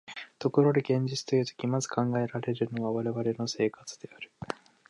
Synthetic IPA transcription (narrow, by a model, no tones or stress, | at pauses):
t̪o̞ko̞ɾo̞d̪eɡẽ̞ɲ̟d͡ʑit͡sɨ̥t̪o̞jɯ̟ːt̪o̞̥kʲimazɨ̥kʰãŋɡae̞ɾaɾe̞ɾɯ̟no̞βaβaɾe̞βaɾe̞no̞se̞ːkat͡sɨ̥d̪e̞aɾɯ̟